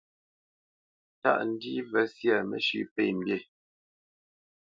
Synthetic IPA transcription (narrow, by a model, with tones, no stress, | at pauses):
ta̰˦ʔn̩˦di˦vɛ˦sjɛ˦˨mə̰˨ʃʉ̰˦˨pɛ˦˨m̩˨bje˦˨